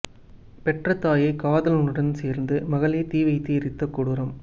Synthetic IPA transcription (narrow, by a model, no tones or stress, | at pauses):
pɛʈrɐt̪ːaːjɐɪkaːðɐlɯnɯɽɐnseːɾnd̪ɯmɐɣɐɭeːt̪iːʋɐɪt̪ːiɪɾɪt̪ːɐkːuːɽɯɾɐm